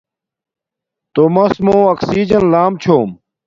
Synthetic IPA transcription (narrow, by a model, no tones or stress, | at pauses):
t̪oːmɐsmõːɐksiːd͡ʑɐnlaːmt͡ɕʰoːm